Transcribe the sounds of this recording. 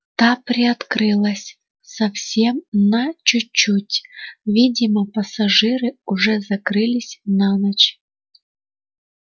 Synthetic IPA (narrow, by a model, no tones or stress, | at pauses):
t̪apɾʲɪɐt̪kɾɨlˠəsʲ | sɐfsʲemnɐt͡ɕʊːutʲvʲidʲɪməpɐsɐʐɨɾɨʊʐɛzɐkɾɨlʲɪsʲnanɐt͡ɕ